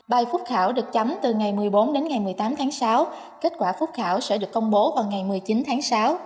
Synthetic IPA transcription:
ɓaː˨˩jfʊ˦˥k͡p̚xaː˧˩wɗɨ˨˩ək̚t͡ɕa˨˦mt̪ɨ˨˩ŋa˨˩jmɨ˨˩əjɓo˨˦nɗe˨˦nŋa˨˩jmɨ˨˩əjt̪aː˨˦mt̪ʰaː˨˦ŋsaː˨˦w | ke˦˥t̚kwaː˧˩fu˦˥k͡p̚xaː˧˩wsɛ̰˧˥ɗɨ˨˩əkːə˧wŋ͡mɓo˨˦vaː˨˩wŋa˨˩jmɨ˨˩əjt͡ɕi˨˦nt̪ʰaː˨˦ŋsaː˨˦w

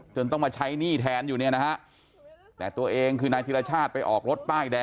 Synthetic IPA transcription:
t͡ɕʰo˧nt̪ɔ˥˩ŋmaː˧t͡ɕʰa˦˥jniː˥˩t̪ʰɛː˧njuː˨˩ni˥˩ɐna˦˥ka˦˥ʔ | t̪ɛ̰ː˨˩t̪u˧ɐʔeː˧ŋkʰɯː˧naː˧jt̪ʰiː˧ɾaː˧t͡ɕʰaː˥˩t̪̚pa˧jʔɔː˨˩k̚ɾo˦˥t̪̚paː˥˩jdɛː˧

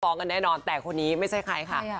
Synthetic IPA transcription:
fɔː˦˥ŋka˧nːɛː˥˩nɔː˧nt̪ɛː˨˩kʰo˧nːiː˦˥ma˥˩jt͡ɕʰa˥˩jkʰa˧jkʰa˥˩

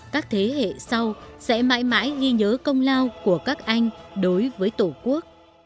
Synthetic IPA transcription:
kaː˦˥k̚t̪ʰe˨˦ɦḛ˧˨sa˧wsɛ̰˧˥ma̰ː˧˨jma̰ː˧˥jɣi˧ɲəː˨˦kə˧wŋ͡mlaː˧wku˧˩əkaː˦˥k̚ʔa˧jŋ̟ɗo˨˦jvəː˨˦jt̪u˧˩ku˦˥ək̚

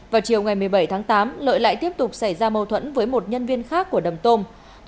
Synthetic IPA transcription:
vaː˨˩wt͡ɕi˨˩əwŋa˨˩jmɨ˨˩əjɓə˧˩jt̪ʰaː˨˦ŋt̪aː˨˦mlə̰ː˧˨jla̰ː˧˨jt̪i˦˥əp̚t̪ʊ˨˩k͡p̚sa˧˩jzaː˧mə˧wt̪ʰwə̰˧˥nvəː˨˦jmo˨˩t̚ɲə˧nvi˧ənxaː˦˥kːu˧˩əɗə˨˩mt̪o˧m

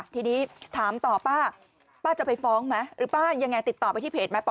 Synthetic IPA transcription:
t̪ʰiː˧niː˦˥t̪ʰaː˩˦mt̪ɔː˨˩paː˥˩ | paː˥˩t͡ɕa˨˩pa˧jfɔː˦˥ŋma˦˥jɾɯː˩˦paː˥˩ja˧ŋːa˧jt̪i˨˩t̪ːɔː˨˩pa˧jt̪ʰiː˥˩pʰeː˨˩ma˦˥p

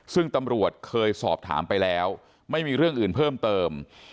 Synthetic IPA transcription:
sɯ˥˩ŋt̪a˧mɾu˨˩ət̪̚kʰɤː˧jsɔ̰ː˨˩p̚t̪ʰa̰ː˩˦mpa˧jlɛː˦˥w | ma˥˩jmiː˧ɾɯ˥˩əŋʔɯː˨˩npʰɤː˥˩mt̪ɤː˧m

